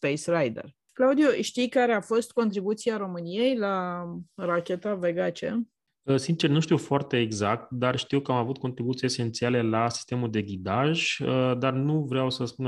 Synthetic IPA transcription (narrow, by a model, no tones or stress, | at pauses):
spejsrajd̪ḛr | klaud̪ioʃt̪ijkaɾe̞afo̞st̪ko̞nt̪ɾibut̪siaɾo̞mɨnije̞jla | rakʲe̞t̪aveɡat͡ʃḛ | əsint͡ʃe̞rnuʃt̪iwfoart̪e̞ːɡzak̚t̪̚d̪arʃt̪iwkəamavut̪̚ko̞nt̪ɾibut̪siese̞nt̪siale̞lasi̥st̪e̞muld̪e̞ɡʲid̪aʒəd̪arnuvɾeawsəspun